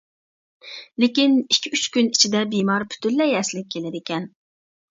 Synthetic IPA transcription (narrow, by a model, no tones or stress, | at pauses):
lɪkʲinikʲʰːiyt͡ʃkʲynit͡ʃʰid̪ɛbimɑɾpʰy̥t̪ʰylːɛjɛslɪk̚ʲʰːelɪd̪ɪkʲɛn